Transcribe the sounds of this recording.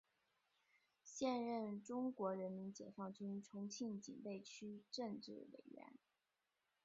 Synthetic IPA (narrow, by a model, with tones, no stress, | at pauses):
ɕjɛ˥˧nɻə˥˩nʈ͡ʂʊ˥ŋkwɔ˧˥ɻə˧˥nmi˧˥nt͡ɕjɛ̰˨˩fɑ˥˩ŋt͡ɕy˥nʈ͡ʂʰʊ˧˥ŋt͡ɕʰi˥˩nt͡ɕḭ˨˩npe˥˩ɪt͡ɕʰy˥ʈ͡ʂɤ˥˧ŋʈ͡ʂɻ̩˥˩wḛ˨˩ɪɥɛ̰˧˥n